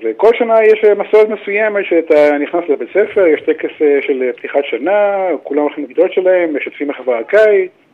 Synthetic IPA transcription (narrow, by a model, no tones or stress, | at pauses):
veko̞lʃanajeʃmasoʁet̪mesujemet̪ʃeat̪aniχnaslebet͡sefe̞ʁjeʃt̪ekeseʃelept̪iχatʃanakulamolχimeɡid̪ot̪ʃelahemːeʃat̪fimeχavakaj